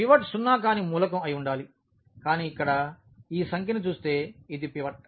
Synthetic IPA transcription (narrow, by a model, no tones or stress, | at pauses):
piʋɐʈsunːaːk̬aːnimuːlɐk̬ɐmɐjuɳɖaːli | kaːniːikːɐɽɐ | iːsɐŋkʰinit͡ʃuːst̪e̞ːid̪ipiʋɐʈ̚